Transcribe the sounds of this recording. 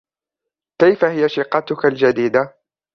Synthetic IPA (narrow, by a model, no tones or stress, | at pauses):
kajfahɪjaʃɪqɑt̪ʊkald͡ʒad̪iːd̪a